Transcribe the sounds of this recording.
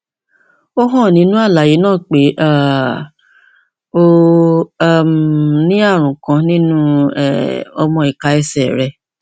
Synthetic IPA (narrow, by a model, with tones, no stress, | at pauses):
o˦ɦɔ̃˦˨nĩ˨˦nũ˦a˦˨la˨ji˨˦nãː˦˨k͡pe˨˦ʔa˦˨ | o˧˦˨ | mnĩ˦a˦˨ɾ̃ũ˨kã˧˦nĩ˦nũ˦ɛ̰˦˨ɔ˧mɔ̃˧i˨ka˧ɛ˧sɛ˨ɾɛ˧